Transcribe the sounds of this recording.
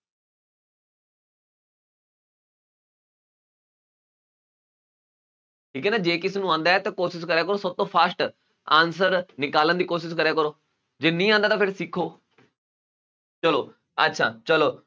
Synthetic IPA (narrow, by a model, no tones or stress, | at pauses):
ʈʰiːkɛːnaːd͡ʒeːkɪseːnũːãːnd̪aːɛːt̪ãːkoːʃɪskəɾɛːkəɾoːsəb̚t̪õːpʰaːsʈ | ãːnsəɾnɪkaːlənd̪iːkoːʃɪskəɾaːkəɾoː | d͡ʒeːnĩːãːnd̪aːt̪ãpʰɪɾsɪkʰːoː | t͡ʃəloː | ə̰tːʃʰa̰ːt͡ʃəloː